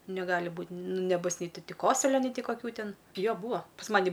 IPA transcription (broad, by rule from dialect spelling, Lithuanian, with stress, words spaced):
nʲɛˈɡɑːlʲɪ ˈbuːtʲ ˈnʊ nʲɛˈbʊs ˈnʲɛɪ ˈtʲɪ ˈtʲɪ ˈkoːsʊlʲoː nʲɛɪ ˈtʲɪ kɐˈkʲuː ˈtʲɪn ˈjoː ˈbuːɐ pɐs ˈmɑːnʲɪ